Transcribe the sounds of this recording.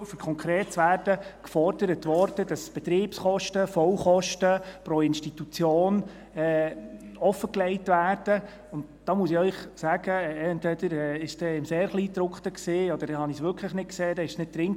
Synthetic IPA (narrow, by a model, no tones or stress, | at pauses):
fəɾkʰɔŋkʰɾeːtsʋæːrd̥əkfɔɾd̥əɾətʋɔɾd̥əd̥ɑsb̥ɛt̪ɾiːpsχɔʃtəfɔwχɔʃtəpɾoːɪnʃtit̪ut͡sjoːn | ɛ | ɔfːəklɛɪtʋæːrd̥ə | ʊntd̥ɑːmuəsiœʏχsæːɡ̥əɛntʋɛd̥əɾɛɪʃsd̥ɛɪmseːɾχliːt̪ɾʊkχt̪əksiːɔd̥̪əɾdɛhɑnisʋʏɾkʰləχnɪtkseːdɛɪʃsnɪt̚tɾɪŋ